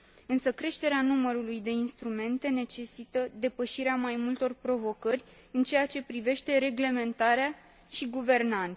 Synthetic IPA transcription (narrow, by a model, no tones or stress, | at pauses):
ɨnsəkɾe̞ʃt̪e̞ɾeanuməɾulujd̪e̞inst̪ɾume̞nt̪e̞ne̞t͡ʃe̞sit̪əd̪e̞pəʃiɾeamajmult̪o̞rpɾo̞vo̞kərʲ | ɨnt͡ʃe̞jat͡ʃe̞pɾive̞ʃt̪e̞ɾe̞ɡle̞me̞nt̪aɾea | ʃiɡuve̞rnant̪